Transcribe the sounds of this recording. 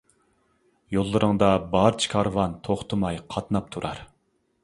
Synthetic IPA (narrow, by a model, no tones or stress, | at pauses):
jolˠːɨɾɨŋd̪ɑbɑɾt͡ʃʰi̥kʰɑɾvɑnt̪ʰoχt̪ʰɨmɑjqʰɑt̪nɑp̚t̪ʰuɾɑ̰ɾ